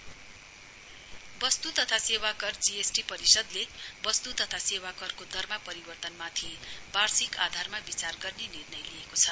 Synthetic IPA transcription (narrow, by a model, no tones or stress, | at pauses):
bʌst̪ut̪ʌt̪ʰasewakʌrd͡ziesʈipʌɾisʌd̪lebʌst̪ut̪ʌt̪ʰasewakʌrkod̪ʱʌrmapʌɾibʌrt̪ʌnmat̪ʰibarsikad̪ʱarmabit͡sarɡʌrnenirnʌjliekot͡sʰʌ